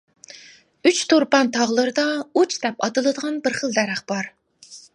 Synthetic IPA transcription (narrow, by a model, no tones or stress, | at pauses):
yt͡ʃt̪ʰuɾpɑnt̪ʰɑʁlˠɨɾɨd̪ɑut͡ʃʰd̪ɛpɑt̪ɨlˠɨd̪əʁɑnbɪɾχəlˠd̪ɛɾæχb̥ɑɾ